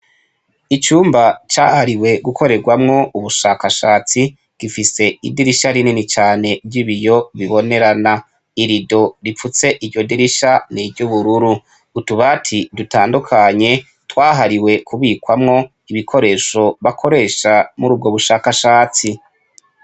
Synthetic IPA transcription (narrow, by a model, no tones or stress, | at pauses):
it͡ʃuːmbat͡ʃaːhaɾiwe̞ɡuko̞ɾe̞ɾɡwamŋo̞uβuʃaːkaʃaːt͡si | ɡ̥ifise̞ḭdiɾiʃaɾininit͡ʃaːne̞bɟiβijo̞βiβo̞ne̞ɾana | iɾido̞ɾifut͡se̞ʔiɟo̞diɾiʃanibɟuβuɾuɾuː | tuβatʰidutaːndukʰaɲe̞ | twaːɦaɾiwe̞kʰuβiːkwamŋo̞ | iβikʰo̞ɾe̞ːʃo̞βakʰo̞ɾe̞ːʃamuɾub̚ɡo̞βuʃaːkaʃaːt͡si